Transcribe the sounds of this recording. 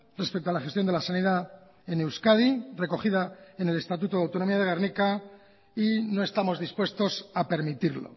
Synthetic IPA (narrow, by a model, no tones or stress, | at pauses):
respe̞k̚t̪oalaχe̞st̪jo̞nd̪lasaniða | e̞ne̞wskaðire̞ko̞χiðaene̞le̞st̪at̪̬ut̪oðawt̪ono̞miaðe̞ɣaɾrnika | ino̞e̞st̪amo̞zðispwe̞st̪o̞sape̞ɾmit̪iɾlo̰